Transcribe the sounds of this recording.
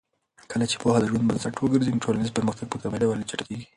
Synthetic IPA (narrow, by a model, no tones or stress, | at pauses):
kəlat͡ʃe̥pɑhad̪əʒwand̪bad̪zaʈwəɡəɾzinʈʰolanizpəɾməxt̪aɡ̚pət̪amelawalet͡ʃaʈkeɡi